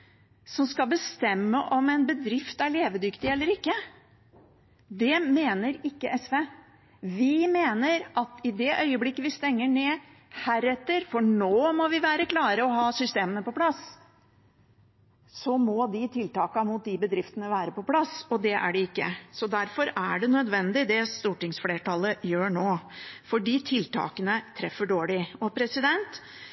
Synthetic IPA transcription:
sɔmskɑbəst̪ɛmːəʔɔmɛnbəd̪ɾɪft̪æɭeːʋəd̪ʏkt̪ɪɛlːəɾɪkːə | d̪ɛmeːnəɾɪkːəʔɛsʋeː | ʋɪmeːnəɾʔɑt̪ɪd̪ɛʔœʏəblɪkːəʋɪst̪ɛŋːəɳeːhæːɾɛt̪ːəɾfɔɳoːmɔʋɪʋæːɾəklɑːɾəɔɦɑːsʏst̪eːmənəpɔplɑs | sɔmɔd̪ɪt̪ʰɪlt̪ɑːkɑmʊt̪̚d̪ɪbəd̪ɾɪft̪ənəʋæːɾəpɔpʰlɑsɔd̪ɛʔæ̰ɖɛɪkːə̰sɔd̪æɾfɔɾæɖɛnœd̪ʋɛnd̪ɪd̪ɛst̪uːʈɪŋsfleːʈɑlːəjøːɳoːfɔɖiːt̪ʰɪlt̪ʰɑ̰ːkənət̪ʰɾɛfːəɖoːɭɪɔpʰɾɛsɪd̪ɛnt̪

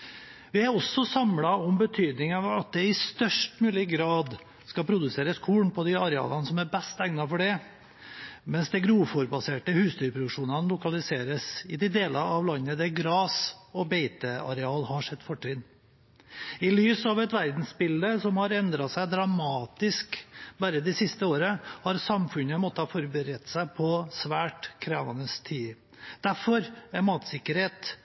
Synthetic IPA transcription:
ʋɪæɾɔsːɔsɑmlɑɔmbət̪ʰyːd̪nɪŋɑɑt̪̚d̪ɛɪst̪œʂʈmʉːlɪɡɾɑːd̪ | skɑpʰɾʊd̪ʉseːɾəskʰuːɳpʰɔd̪ɪɑɾɛɑ̰ːlɑnəsɔmæbɛst̪æŋnɑfɔɖɛ | mɛnsd̪ɛɡɾuːfɔɾbɑseːʈəhʉːst̪yːɾpʰɾʊd̪ʉkʂuːnɑnlʊkɑlɪseːɾəsɪd̪ɪd̪eːlɑɑʋlɑnːəd̪ɛɡɾɑːsɔbeɪt̪əɑ̰ɾɛɑːlhɑʂɛt̪ːfɔʈːɾɪn | ɪlyːsɑʋɛt̪ʋæɾd̪n̩sbɪld̪əsɔmhɑɾɛnd̪ɾɑsæɪd̪ɾɑmɑːt̪ɪskbæːɾəd̪ɪsɪst̪əoːɾəhɑɾsɑmfʉnəmɔt̪ːəhɑːfɔɾbəɾɛt̪sæɪpʰɔsʋæːʈkʰɾeːʋɑnəst̪ʰiː | d̪̥æɾfɔɾɛmɑːt̪sɪkːəɾheːt̪

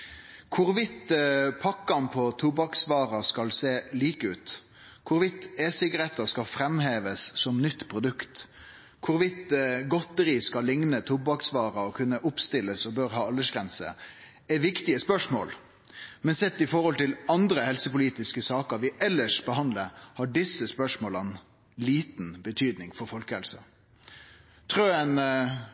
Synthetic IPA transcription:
kʰʊɾʋɪt̪pʰɑkːɑnpʰɔt̪ʰubɑksʋɑːɾɑskɑlseːliːkəʉːt̪ | kʰʊɾʋɪt̪ːeːsɪɡɑɾɛt̪ːəskɑlfɾɛmɦeːʋəssɔmnʏt̪ːpʰɾʊd̪ʉkt̪ | kʰʊɾʋɪt̪ɡɔt̪əɾɪskɑlːɪŋnət̪ʰubɑksʋɑːɾɑɔkʰʉnːəʔʊpst̪ɪlːəsɔbøɾɦɑːɑlːəʂɡʁɛnsə̰ | ɛʋɪkt̪ɪəspœʂmoːl | mɛnsɛt̪ːɪfɔɾhɔlt̪ɪlɑnd̪ɾəhɛlsəpʊliːt̪ɪskəsɑːkəɾʋɪʔɛlːəʂbəhɑnd̪ləhɑɖɪsːəspœʂmoːlən | liːt̪n̩bət̪ʰyːd̪nɪŋfɔɾfɔlkəhɛlsə̰ | t̪ʰɾøːən

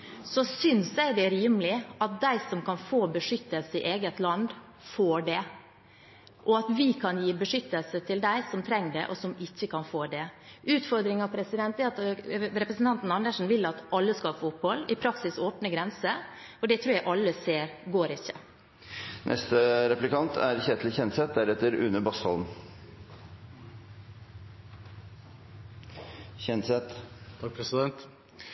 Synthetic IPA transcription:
sɔsʏnsæɪd̪ɛɾiːmlɪɑt̪̚d̪æɪsɔmkɑnfoːbəʂʏt̪ːəlsəɪʔeːɡət̪lɑnd̪ | foːɖɛ | ʔɔɑt̪ʋɪkʰɑnjiːbəʂʏt̪ːəlsət̪ʰɪld̪æɪsɔmt̪ʰɾɛŋːɖ̪ɛ̰ʔɔsɔmɪçːəkʰɑnfoːd̪ɛʔʉːt̪fɔɾd̪ɾɪŋɑʋpʰɾɛsɪd̪ɛnt̪ɛɾɑt̪ɾɛpɾəsn̩t̪ɑnt̪n̩ɑnd̪əʂn̩ʋɪlːɑt̪ʔɑlːəskɑfoːʊphɔlːɪpʰɾɑksɪsoːpnəɡɾɛnsə | ɔɖɛt̪ʰɾʉːɾjæʔɑlːəseːɾɡoːɾɪçːə | nʔɛ̰st̪əɾɛplɪkɑnt̪ʰæɾçɛt̪ʰlɪçɛnsɛt̪̚d̪æɾɛt̪ːəɾʉ̰nːəbɑshɑ̰lm | çɛnsɛt̪t̪ʰɑkpʰɾɛsɪd̪ɛnt̪

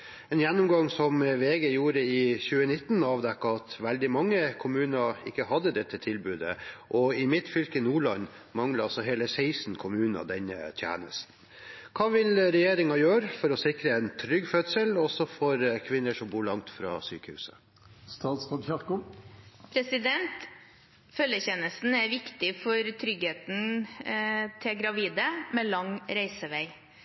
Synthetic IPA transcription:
ɛːnjɛnːʊmɡɑŋsɔmʋeːɡeːjuːɾəɪçʉːənɪt̪ːn̩ɑːʋd̪ɛkːɑɑt̪ʋɛld̪ɪmɑŋːəkʰʊmʉːnɑɪkːəhɑd̪əd̪ɛt̪ʰːət̪ʰɪlbʉːd̪ə̰ʔɔɪmɪt̪fʏlkɪnuːɭɑn | mɑŋləɑsɔɦeːləsɛɪsn̩kʰʊmʉːnɑ̰d̪ɛnːə̰t̪ʰjæ̰ːnəst̪n̩ | kʰɑːʋɪlɾɛjeːɾɪŋɑjøːɾəfɔɾɔsɪkɾəɛɪnt̪ʰɾʏɡfœt̪səlɔsɔfɔɾkʰʋɪnːəʂɔmbuːɭɑŋt̪fɾɑ̰ːsyːkəhʉ̰ːsə̰ | st̪ɑːt̪skɑd̪çɑɾkʊpʰɾɛsɪd̪ɛnt̪ | fœlːəçɛnəst̪n̩æʋɪkt̪ɪfɔɾt̪ʰɾʏɡheːt̪n̩ | t̪ʰɪlɡɾɑʋiːd̪əmɛːlɑŋɾæɪsəʋæɪ

